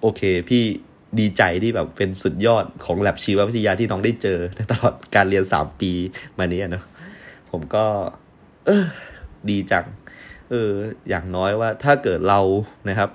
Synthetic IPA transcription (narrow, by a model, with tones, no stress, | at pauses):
ʔoː˧kʰeː˧pʰiː˥˩ | diː˧t͡ɕa˧jt̪ʰiː˥˩bɛː˨˩pːe˧nsu˨˩t̪̚jɔː˥˩t̪̚kʰɔː˩˦ŋlɛ˨˩p̚t͡ɕʰiː˧˦˥waː˥˩pʰi˦t̪ʰa˧jaː˧t̪ʰiː˥˩nɔː˦˥ŋdaː˥˩jt͡ɕɤː˧na˧˥jt̪a˧lɔː˨˩t̪̚kaː˧nɾi˧ənsa̰ː˩˦mpiː˧maː˧niː˦˥ʔa˨˩nɔ˦˥pʰo˩˦mkɔː˥˩ | ʔɤː˧˩diː˧t͡ɕa˧ŋ̚ʔɤː˧ja̰ː˨˩ŋnɔː˦˥jwaː˥˩t̪ʰaː˥˩kɤː˨˩t̪̚ɾa˧wna˦˥kʰa˦˥p̚